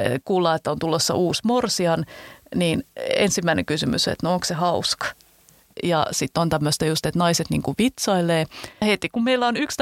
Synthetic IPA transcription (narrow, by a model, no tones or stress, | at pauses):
kuːlːɑːet̪ːæont̪ulːosːɑ̰ʔuːsmorsiɑnniːnḛnsimːæinḛkysymy̰sḛt̪nooŋksehɑuskɑ̥ | jɑ̰sit̪ːont̪æmːøst̪ɑjust̪et̪nɑiset̪nḭːŋkuʋit̪sɑileːhet̪ikummeilːæonykst̪